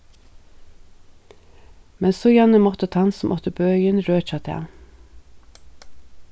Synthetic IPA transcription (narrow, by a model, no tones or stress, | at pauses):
mɛnsoːjænəmɔt̪ət̪ʰɑnsm̩ʔɔt̪əbøːœʏənɾøːc͡çɑt̪ʰæ̰ː